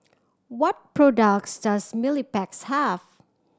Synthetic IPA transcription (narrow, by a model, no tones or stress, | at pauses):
wɔt̚pʰɹɔdak̚sd̥asmilipɛkshæv